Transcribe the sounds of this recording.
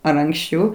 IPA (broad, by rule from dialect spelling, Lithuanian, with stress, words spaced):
ɐr ɐŋksʲˈt͡ʃʲɛʊ